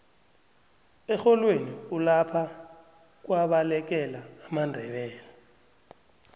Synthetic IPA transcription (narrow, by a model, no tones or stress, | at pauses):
ɛxɔlweniulapʰa | k̬waɓalɛk̬ɛlaːmandʱɛɓɛːla